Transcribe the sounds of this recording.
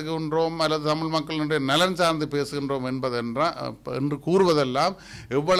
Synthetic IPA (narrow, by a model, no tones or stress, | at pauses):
ɯɣɪndroːmɐlːɐðɯt̪ɐmɪɭmɐkːɐɭnʊɳɖɐjɐnɐlɐɾnsaːɾnd̪ɯpeːsɯɣɪndroːmɛnbɐðɛndrãːɛ̰ndrɯkuːɾɯʋɐðɛlːaːm | ɛʋːɐɭ